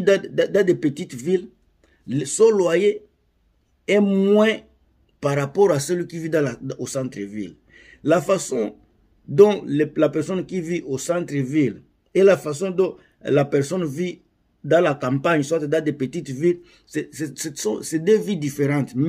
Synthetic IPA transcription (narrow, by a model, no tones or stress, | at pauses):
ddd̪ãd̪epət̪it̪vil | sɔlwaje | ɛmwɛ̃ | paʁapɔʁasɛlikivid̪ãlaosɑ̃t̪ʁəvḭl | lafasɔ̃ | d̪ɔ̃llapɛʁsɔnkiviʔosãt̪ʁəvil | elafasɔ̃d̪ɔ̃ | lapɛʁsɔnvi | d̪ãlakãmpaɲswat̪d̪ãd̪epət̪it̪vil | sɛsɛssɔ̰̃sɛd̪øvid̪ifeʁɑ̃t̪m